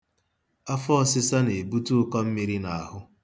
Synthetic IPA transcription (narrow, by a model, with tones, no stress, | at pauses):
a˦fɔ˦ɔ˦sɪ˦sa˦ne˨bu˦tu˦ʊ˦kɔ˦m̩˦mi˨ɾi˦na˨a˨ɦʊ˦